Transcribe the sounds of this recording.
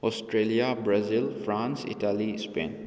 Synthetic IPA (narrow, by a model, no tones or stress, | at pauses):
ɔsʈɾeliabɾazilfɾãːnsḭʈalispḛ̃n